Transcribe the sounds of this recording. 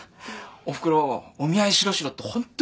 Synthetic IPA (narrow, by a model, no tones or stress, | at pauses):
oɸɯ̥kɯɾoomiaiɕiɾoɕiɾot̪͈ːohont̪͈